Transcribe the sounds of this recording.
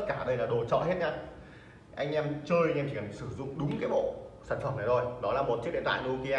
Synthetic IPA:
t̚kaː˧˩ɗə˧jlaː˨˩ɗo˨˩t͡ɕɔ̰˧˨he˦˥t̚ɲaː˧ | ʔa˧jŋ̟ʔɛ˧mt͡ɕəː˧jɛ˧mt͡ɕi˧˩kːə˨˩sɨ˧˩zʊ̰˧˨ŋ͡mɗʊ˨˦ŋ͡mkaː˨˦jɓo̰˧˨saː˧˩nfə˧˩mnaː˨˩zʰo˧˩jnɔ˨˦laː˨˩mo˨˩t̚t͡ɕɨ˦˥k̚ɗḛ˧˨t̪waː˧˨lu˧ki˧aː˧

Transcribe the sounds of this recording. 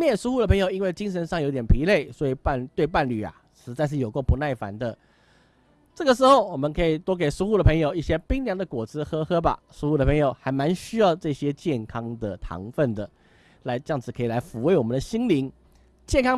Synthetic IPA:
mjɛ˥˩nʂu˥u˥˩də˩pʰɤ˧˥ŋjo˨˩ʊi˥nwe˥˩ɪt͡ɕi˥ŋʂ̬ə˧˥nʂɑ˥˨ŋjo˧˥ʊt̪jɛ˨˩pʰi˧˥le˥˩ɪswɔ˧˥i˨˩pa˥˩nt̪we˥˧ɪpa˥˩nly˨˩a̰˩ | ʂɻ̩˧˥t͡sa˥˧ɪʂ̬ɻ̩˥˩jo˨˩kwo˥˩pu˧˦na˥˩ɪfa̰˧˥nd̪ə˧ | ʈ͡ʂɤ˥˩ɡə˩ʂ̬ɻ̩˧˥xo˥˩ʊwɔ˨˩mə˧˦nkʰɤ˧˥i˨˩t̪wɔ˥k̬e˨˩ɪʂu˥u˥˩d̪ə˩pʰɤ˧˥ŋjo˨˩ʊi˥˩ɕjɛ˥pi˥ŋljɑ˧˥d̪ə˨kwɔ˨˩t͡sɹ̩˥xɤ˥xɤ˥ba̰˨ | ʂu˥xu˥˩ə˨˩pʰɤ˧˥ŋjo˨˩ʊxa˧˥ɪma˧˥nɕy˥jɑ˥˧ʊʈ͡ʂɤ˥˩ɕjɛ˥t͡ɕjɛ˥˩nkʰɑ˥ŋd̪ə˨t̪ʰɑ̰˧˥ŋfə˥˩nd̪ə˩ | la˧˥ɪʈ͡ʂɤ˧jɑ˥˩ŋd͡zɹ̩˩kʰɤ˧˥i˨˩la˧˥ɪfu˧˥we˥˩ɪwɔ˨˩mə˦nd̪ə˧ɕi˥ŋli˧˥ŋ | t͡ɕjɛ˥˩nkʰɑ˥

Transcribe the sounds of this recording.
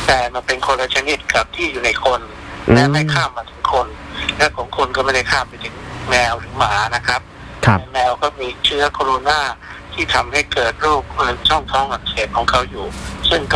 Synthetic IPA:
t̪ɛː˨˩ma˧npe˧nkʰo˧nla˧t͡ɕʰa˧ni˦˥t̪̚ka˨˩p̚t̪ʰiː˥˩juː˨˩na˧jkʰo˧n | lɛ˦˥ma˥˩jkʰaː˥˩mːaː˧˩t̪ʰɯ˨˦ŋkʰo˧nlɛ˦˥kʰɔː˩˦ŋkʰo˧nkɔː˥˩ma˥˩jda˥˩jkʰaː˥˩mpa˧˩jt̪ʰɯ˩˦ŋmɛː˧wt̪ʰɯː˩˦ŋmaː˩˦na˦˥kʰɾa˦˥p̚ʰ | a˧˦mɛː˧wkɔː˥˩miː˧t͡ɕʰɯ˦˥ɐkʰɔː˧ɾu˧naː˥˩t̪ʰiː˥˩t̪ʰa˧mha˥˩jkɤː˨˩t̪̚ɾuː˥˩k̚ʔɤː˧˩t͡ɕɔ˥˩ŋt̪ʰɔ˧˥˩ŋʔa˧˩kseː˨˩t̪p̚kʰɔː˩˦ŋkʰa˧wjuː˨˩sɯ˥˩ŋk

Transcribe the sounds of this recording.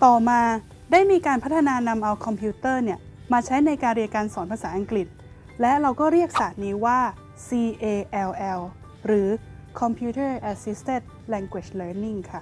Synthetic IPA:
t̪ɔː˨˩maː˧ | daː˥˩jmiː˧kaː˧npʰa˦˥t̪ʰːa˧naː˧na˧mʔa˧wkʰɔ˧mpʰuː˦˥t̪ɤː˥˩ni˥˩ə | maː˧t͡ɕʰa˦˥jna˧jkaː˧nɾi˧kaː˧nsɔː˩˦npʰa˧saː˩˦ʔa˧ŋkli˨˩t̪̚ | lɛ˦˥ɾa˧wkɔː˥˩ɾi˥˩ək̚saː˨˩t̪̚niː˦˥waː˥˩ | siː˧ʔeː˧ʔɛ˧wʔɛ˧w | ɾɯː˩˦ | kʰɔ˧mpʰuː˦˥t̪ʰɤː˥˩ʔɛ˧si˦˥st̪e˥˩n | lɛː˧ŋkwe˨˩lɤː˧ni˥˩ŋkʰa˥˩

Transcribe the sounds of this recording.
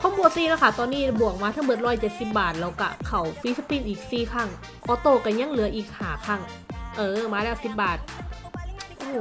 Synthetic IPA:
kʰɔː˧˥mboː˧siː˧˥˩la˦˥˦kʰa˥˩t̪ɔː˧nːiː˥˩bu˨˩ək̚maː˧t̪ʰa˥˩ŋbɤː˨˩t̪̚ɾɔː˧˥˩t͡ɕe˨˩t̪̚si˨˩p̚baː˨˩t̪̚lɛː˧˩wka̰˧˩kʰa˧˩˦wfi˦˥sa˧pi˧˥˩nʔiː˨˩k̚siː˨˩kʰa˧˥˩ŋ | ʔɔː˧˦t̪oː˧˩ka˧˩ɲa˧˥˨ŋlɯ˨˦ɐʔiː˨˩k̚haː˩˦kʰa˧˩ŋ | ʔɤː˧maː˧ɾa˧˥˩si˨˩p̚baː˨˩t̪̚ | ʔoː˧˩

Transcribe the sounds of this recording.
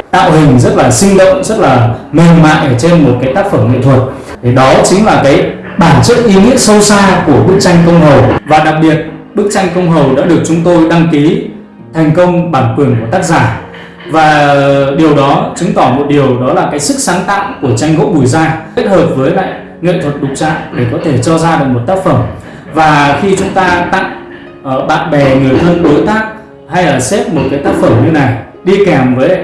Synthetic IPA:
t̪a̰ː˧˨wɦï˨˩ŋ̟zə˦˥t̚laː˨˩sï˧ŋ̟lo̰˧˨wŋ͡mzə˦˥t̚laː˨˩mi˨˩ŋma̰ː˧˨ʔəː˧˩t͡ɕe˧mːo˨˩t̚kaː˨˦jt̪aː˦˥k̚fə˧˩mŋḭ˧˨t̪ʰwə˨˩t̚ | t̪ʰe˧˩ɗɔ˨˦t͡ɕï˨˦ŋ̟laː˨˩kaː˨˦j | ɓaː˧˩nt͡ɕə̰ː˧˥t̚ʔi˨˦ŋḭ˧˥əsə˧wsaː˧ku˧˩əɓɨ˦˥k̚t͡ɕa˧jŋ̟kə˧wŋ͡mɦə˨˩wvaː˨˩ɗa˨˩k̚ɓi˨˩ət̚ɓɨ˦˥k̚t͡ɕa˧jŋ̟kə˧wŋ͡mɦə˨˩wɗa̰ː˧˥ɗɨ˨˩ək̚t͡ɕʊ˨˦ŋ͡mt̪o˧jɗa˧ŋki˨˦ | t̪ʰɛ˨˩jŋ̟kə˧wŋ͡mɓaː˧˩nkwɨ˧˩əŋku˧˩ət̪aː˦˥k̚zaː˧˩ | vaː˨˩ɗi˨˩əwɗɔ˨˦t͡ɕɨ˨˦ŋt̪ɔ˧˩mo˨˩t̚ɗi˨˩əwɗɔ˨˦laː˨˩kaː˨˦jsɨ˦˥k̚saː˨˦ŋt̪a̰ː˧˨wku˧˩ət͡ɕa˧jŋ̟ɣə̰˧˥wɓu˧˩jzaː˧i˦˥t̚həː˨˩p̚vəː˨˦jla̰ː˧˨j | ŋḭ˧˨nt̪ʰwə˨˩t̚ɗʊ˨˩k͡p̚t͡ɕa̰ː˧˨ŋɗe˧˩kɔ˨˦t̪ʰe˧˩t͡ɕɔ˧zaː˧ɗɨ˨˩ək̚mo˨˩t̚t̪aː˦˥k̚fə˧˩m | vaː˨˩xi˧t͡ɕʊ˨˦ŋ͡mt̪aː˧t̪a̰˧˨ŋ | ʔɓa̰ː˧˨nɓɛ˨˩ŋɨ˨˩əjt̪ʰə˧nɗo˨˦jt̪aː˦˥k̚ | ha˧jʔəː˧˩sɛ˦˥p̚mo˨˩t̚kaː˨˦jt̪aː˦˥k̚fə˧˩mɲɨ˧na˨˩j | ɗi˧kɛ˨˩mvəː˨˦j

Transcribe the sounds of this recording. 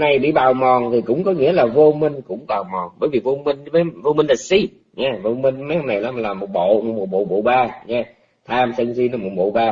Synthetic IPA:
na˨˩jɓḭ˧˨ɓaː˨˩wmɔ˨˩nt̪ʰi˨˩kʊ̰˧˥wŋ͡mkɔ˨˦ŋḭ˧˥əlaː˨˩vo˧mï˧ŋ̟kʊ̰˧˥ŋ͡mɓaː˨˩wmɔ˨˩nɓəː˧˦jvi˨˩vo˧mi˧ŋ̟vəː˨˦jvo˧mï˧ŋla˨˩t̚si˧˩ | ɲɛː˨˧˦vo˧mï˧ŋma˨˦˥na˨˩jla˨˦m˨˩laː˨˩mo˨˩t̚ɓo̰˧˨mo˨˩mo˨˩t̚ɓo̰˧˨˩ɓo̰˧˨ɓaː˧˩ɲɛ˧˩ | t̪ʰaː˧msə˧ŋsi˧nə˨˧˩mo˨˩ɓo̰˧˨ɓaː˧

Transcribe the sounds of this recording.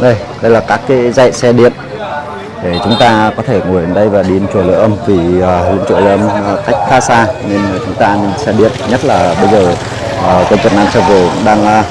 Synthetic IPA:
ɗə˧j | ɗə˧jlaː˨˩kaː˦˥kːaː˨˦za̰˧˨sɛ˧ɗḭ˧˨ən | ɗe˧˩t͡ɕʊ˨˦ŋ͡mt̪aː˧kɔ˨˦t̪ʰe˧˩ŋu˧˩˨jə˨nɗə˧jvaː˨˩ɗi˧ə˨nt͡ɕu˨˩ələ̰˧˨ʔə˧mvi˨˩əː˨˩lɨ̰˧˨nt͡ɕṵ˧˩ələ̰˧˨ə˧m˨ka˦˥jk̟̚xaː˧˦saː˧ne˧n˨˩t͡ɕʊ˨˦ŋ͡mt̪aː˧ne˧nsɛ˧ɗḭ˧˨ənɲə˦˥t̚laː˨˩ɓə˧jzəː˨˩˨ | kə˧t͡ɕi˨˩naː˧mt͡ɕə˨˧˩wvo˨˩ɗaː˧ŋ˧

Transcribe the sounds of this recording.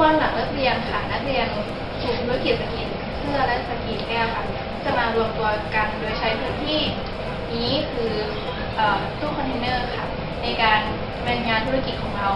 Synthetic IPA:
ɔː˧nla˨˩˦ŋɾa˦˥k̪̚li˧əŋkʰaː˨˩na˦˥k̪̚li˧ən | t͡ɕʰuː˨˩t̪ʰuː˦˥a˥ki˨˩t̪̚sa˧ki˨˩t̪̚sʰɯ˥˩ɐla˦˥k̪̚sa˧kiː˨˩t̪̚kɛː˥˩wkʰa˥˩ | t͡ɕa˨˩maː˧ɾu˧əmt̪u˧ɐka˧ndoː˧əjt͡ɕʰa˦˥jpʰɯː˦˥t̪ʰiː˥˩˨ | niː˦˥kʰɯː˧ | ʔaː˨˩t̪uː˥˩kʰɔ˧nt̪ʰe˧nɤː˥˩kʰa˥˩ | na˧jkaː˧n | mɛ˧ŋaː˧nt̪ʰu˦˥a˥ki˨˩t̪̚kʰɔː˩˦ŋɾa˧w

